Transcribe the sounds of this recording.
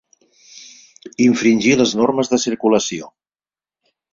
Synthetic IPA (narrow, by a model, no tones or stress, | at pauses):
iɱfɾinʲʒiləznorməzðəsiɾkuləsio